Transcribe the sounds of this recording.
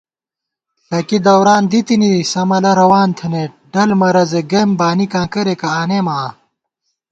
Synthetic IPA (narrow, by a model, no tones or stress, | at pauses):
tɐkid̪ɐwɾaːnd̪it̪inisɐmɐlɐɾɐwaːnt̪ʰɐneɖɐlmɐɾɐzeɡeːmbaːnikãːkɐɾekɐaːneːmaː